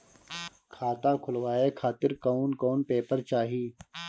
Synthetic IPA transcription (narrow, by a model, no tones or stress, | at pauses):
kʰaːt̪ãːkʰʊlʋaːeːkʰaːt̪ɪɾkaːnkoːnpeːpəɾt͡ʃaːɦiː